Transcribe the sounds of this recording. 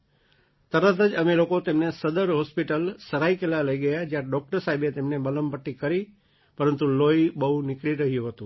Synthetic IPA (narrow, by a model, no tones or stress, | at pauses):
t̪əɾət̪əd͡ʒəmelokot̪emnesəd̪əɾɦɔspiʈəlsəɾaikelaləiɡəjad͡ʒjãɖɔk̚ʈəɾsaɦibet̪emnebələmbəʈːikəɾi | pəɾənt̪uloibəɦũnɪkɭiɾəɦijũɦət̪ũ